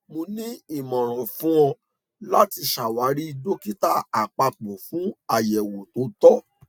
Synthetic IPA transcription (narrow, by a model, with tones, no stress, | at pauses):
mõ˧nĩ˦i˦˨mɔ̃˨ɾ̃ɔ̃˨fũ˦ɔ̃˧ | la˦ti˧ʃa˨wa˨˦ɾi˦do˦ki˦ta˦a˨k͡pa˧k͡po˨fũ˨˦a˨jɛ˨wo˨to˨˦tɔ˦